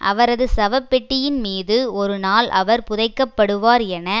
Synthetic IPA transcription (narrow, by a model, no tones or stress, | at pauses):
ʔɐ̰ʋɐɾɐðɯsɐʋɐpːɛʈːɪjɪnmiːðɯɔɾɯnaːlʔɐ̰ʋɐɾpʊðɐɪkːɐpːɐɽɯʋaːɾɛnɐ